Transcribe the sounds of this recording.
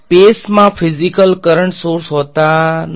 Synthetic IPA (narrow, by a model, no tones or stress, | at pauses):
pesmãfʰɪzikəlkəɾəɳʈsoɾsɦot̪an